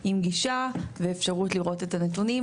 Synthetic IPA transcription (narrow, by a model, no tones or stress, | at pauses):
imɡiʃaveːfʃaʁutliʁo̞tetanetunim